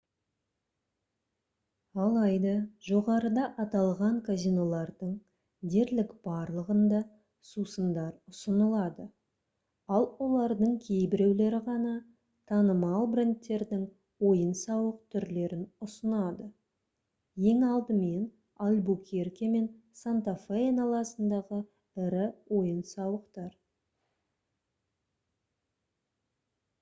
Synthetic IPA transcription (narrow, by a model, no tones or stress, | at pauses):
ɑlˠɑjd̪ɑʒo̞ʁɑɾəd̪ɑʔɑt̪ɑlˠʁɑɴkʰazijnolˠɑɾd̪əɴ | d̪e̞ɾlɪkb̥ɑɾlˠəʁənd̪ɑ | susənd̪ɑɾʊsənəlˠɑd̪ə | ɑlˠwo̞lˠɑɾd̪əɴkʲʰe̞jbɪɾe̞wle̞ɾɪʁɑnɑ | t̪ʰɑnəmɑlˠbɾent̪ːe̞ɾd̪ɪŋ | wo̞jənsɑwəq̚t̪ʰʏɾle̞ɾɪnʊsənɑd̪ə | je̞ŋɑlˠd̪əme̞n | alʲbukʲʰerkʲeme̞nsant̪ofeenɑlˠɑsənd̪ɑʁə | ɪɾɪwo̞jənsɑwəqt̪ɑɾ